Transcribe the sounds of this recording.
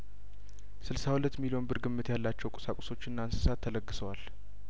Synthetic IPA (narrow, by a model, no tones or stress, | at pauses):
sɨlsahulət̪ːmilijo̞nbɨɾɡɨmːɨt̪ʰjalːat͡ʃːɛwkʷʼʊsakʼʊ̥so̞t͡ʃːɨnːaɨnsɨ̥sat̪ʰːələɡːɨsəwal